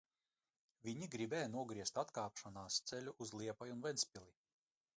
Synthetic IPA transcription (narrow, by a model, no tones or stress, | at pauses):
vʲiɲiɡɾibɛːjnuɔɡɾiɛst̪at̪kaːpʃɔnaːst̪sɛlʲuʔuzlˠiɛpajunvɛnsʲpʲilˠi